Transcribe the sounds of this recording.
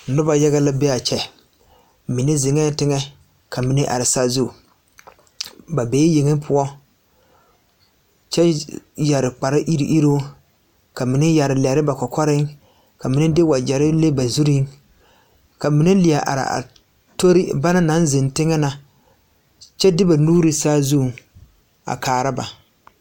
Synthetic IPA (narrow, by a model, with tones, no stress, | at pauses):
nʊ˦ba˨ja˦ɣa˦la˦bɛ˦a˨t͡ʃɛ˨ | mi˨ne˦zɪ˨ŋɛ˦tɪ˦ŋɛ˦ | ka˨mi˨ne˦ʔa̰˨ɾɪ˨sa˦zu˦˨ | ba˨beː˨˦je˨ŋe˦ŋpʰʊ˦ɔ˦ | t͡ʃɛ˦ja˨ɾɪ˨k͡pa˨ɾɪ˦ʔi˦ɾḭ˨ʔi˦ɾo˦ | ka˨mi˨nɪ˦ja˨ɾɪ˨lɛ˨ɾɪ˦ba˨kɔ˨kʰɔ˦ɾɪ˦ŋ | ka˨mi˨nɪ˦dɪ˦wa˨d͡ʒɛ˨ɾɪ˦le˦ba˨zu˦ɾi˦ŋ | ka˨mi˨nɪ˦lɪ˨a˨ʔa̰˨ɾɪ̰˨ʔa̰˨ | to˦ɾi˦ba˦na˦na˨˦nzɪ˨ntɪ˦ŋɛ˦na˨ | t͡ʃɛ˦dɪ˦ba˨nuː˦ɾi˨saː˦zu˦˨ŋ | a̰˨kaː˨ɾa˦ba˨